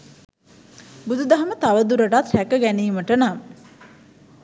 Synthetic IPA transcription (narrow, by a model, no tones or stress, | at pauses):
bud̪ud̪aɦɐmət̪aʋəd̪uɾəʈat̪hækəɡæniːməʈənamə